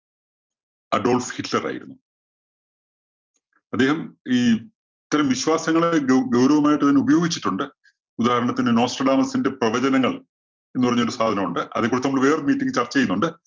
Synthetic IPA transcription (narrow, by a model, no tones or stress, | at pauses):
ɐɖo̞ːlfhiʈlɐra̰ːjḭɾunːu | ɐd̪ːe̞ːɦɐmiː | it̪ːɐɾɐmʋiɕwaːsɐŋːɐɭeɡɐwɾɐʋɐmaːjiʈːɨt̪ɐnːubɐjo̞ːɡit͡ɕːi̥ʈːuɳɖɨ | ud̪aːhɐɾɐɳɐt̪ːinɨno̞ːsʈɐɖaːmɐlsinde̞prɐʋɐd͡ʑɐnɐŋːɐɭ | e̞nːupɐrɐɲːo̞ɾusaːd̪ʱɐnɐmuɳɖɨʔɐðekːuːɽnɐmːɐɭʋe̞ːrɨmiːtːiŋʲɡɨt͡ɕɐrt͡ɕːɐt͡ɕejunːuɳɖɨ